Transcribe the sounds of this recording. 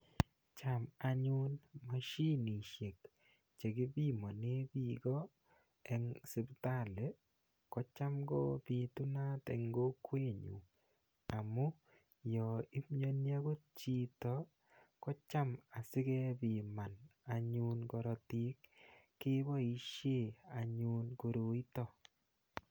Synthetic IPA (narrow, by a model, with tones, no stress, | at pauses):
t͡ʃa˨ma˨ɲu˦nma˨ʃi˦ni˨ʃje˨k | t͡ʃe˨ɡɪ˦bi˦mɔ˨ne˦bi˦ɡɔ˦ | ɛ˦ŋsɪ˨˦bta˦˨le˨ | kɔ˦t͡ʃa˦mɡɔ̰˦pi˨tu˦na˦tɛ̰˨ŋɡo˦kwe˦ɲṵ˨ | a˨mu˦ | jɔ˨i˦pɲo˦nja˦ɡo˦t̚t͡ʃi˦tɔ˨ | kɔ˦t͡ʃa˦ma˨sɪ˦kɛ˦pi˨ma˨na˨ɲu˦nkɔ˨ɾɔ˨ti˦kː | ɪ˦bɔ˦i˦ʃje˦˨a˨ɲu˨nko˨ɾo˨i˦tɔ˦˨